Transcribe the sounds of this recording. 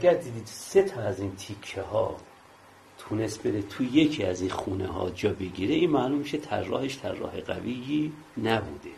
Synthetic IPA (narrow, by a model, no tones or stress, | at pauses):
æɡæɾd̪iːd̪iːd̪se̞t̪ʰɒæziːnt̪ʰikʰːehɒ̰ː | t̪ʰune̞st̪be̞ɾet̪ʰuje̞cʰiːæzinxuːnḛɦɒ̰ːd͡ʒɒːbeɟiːɾeiːnmæːlumːiʃet̪ʰæ̰ɾːɒ̰ːheʃt̪ʰæɾːɒ̰ːɦe̞ɢæ̰vijiː | næbud̪e